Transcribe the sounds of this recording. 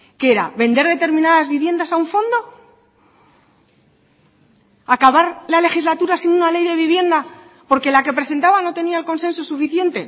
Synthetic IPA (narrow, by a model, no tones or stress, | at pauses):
keeɾa̰βe̞nd̪e̞ɾðe̞t̪e̞ɾmĩnaðazβiβje̞nd̪asauɱfo̞nd̪o̞ | akaβaɾlale̞xizlat̪uɾasinunale̞jðe̞β̞iβje̞nd̪a | po̞ɾke̞lake̞pɾe̞se̞nt̪aβano̞t̪e̞niaelko̞nse̞nso̞sufiθje̞nt̪e̞